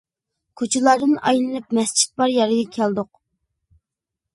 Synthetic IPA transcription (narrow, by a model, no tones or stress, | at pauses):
kʰot͡ʃʰɪlˠɑɾd̪ɨnɑ̰jlˠɨnɨp̚mɛst͡ʃʰi̥t̪̚bɑɾjɑɾɨɡɑkʲʰɛlˠd̪ʊq̚